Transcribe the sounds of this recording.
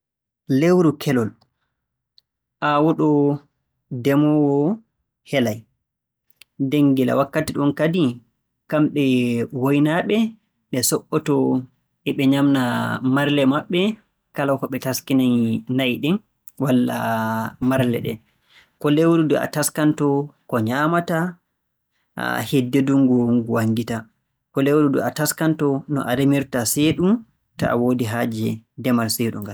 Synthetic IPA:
lewɾukʰɛlɔl | ʔawɔɗɔ | dɛmɔwɔ | hɛlaj | deŋɡila̰wakːatiɗɔnkadi | kamɓɛwojnaɓɛ | ɗɛsɔɓːɔtɔ | ʔɛɓɛɲamnamaɾlɛmaɓːɛ | kalawkɔɓɛtaskinajnajɗɛn | walːa̰maɾlɛ̰ɗɛ̰ | kɔlewɾudɔʔa̰taskantɔkɔɲaːmata | hedːeduŋɡɔŋɡuwaŋɡita | kɔlewɾudɔ̰ataskantɔnɔ̰ʔaɾemiɾtaseːɗum | ta̰ʔa̰woːdiɦad͡ʒɛdɛmalseːɗuŋɡal

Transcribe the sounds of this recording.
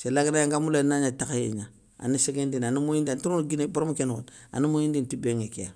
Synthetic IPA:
selaɡinajaŋɡamulenaɲatakjḛɲa | a̰niseɡendinanumojidantuɾunɡineboɾmukenko̰t | a̰nimojindintibeŋekea̰

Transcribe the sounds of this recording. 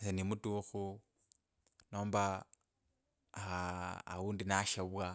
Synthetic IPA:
senimutuxu | noːmba | aa̰uːndinaʃaβwa

